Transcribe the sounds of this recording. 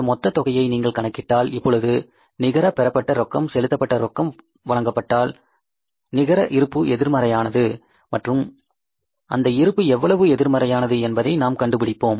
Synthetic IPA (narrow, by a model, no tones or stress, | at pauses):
ɐmɔt̪ːɐt̪ːɔɣɐjɐɪniːŋɡɐɭkɐɳɐkːɪʈːaːlɪpːɔɭɯðɯ | nɪɣɐɾɐpɛɾɐpːɐʈːɐɾɔkːɐmsɛlɯt̪ːɐpːɐʈːɐɾɔkːɐm | ʋɐɭɐŋɡɐpːɐʈːaːl | nɪɣɐɾɐʔɪɾɯpːɯɛðɪɾmɐɾɐjaːnɐðɯ | mɐʈrɯm | ɐ̰nd̪ɐɪɾɯpːɯɛʋːɐɭɐʋɯɛðɪɾmɐɾɐjaːnɐðɯɛnbɐðɐɪnaːmkɐɳɖɯpɪɽɪpːoːm